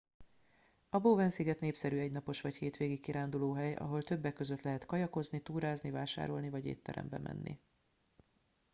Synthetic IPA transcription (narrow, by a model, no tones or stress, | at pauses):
ɒboːvɛnsiɡɛt̪neːpsɛɾyɛɟnɒpo̞ʃʋɒcheːt̪ʋeːɡikkːiɾaːnd̪uloːɦɛjɒ̰ɦo̞lt̪ø̞bːɛkːø̞zøt̪lɛɦɛt̪kɒjɒkoznit̪uːɾaːznivaːʃa̰ːɾo̞lnivɒɟḛːt̪ːɛ̰ɾɛ̰mbɛ̰mʔɛ̰nːḭ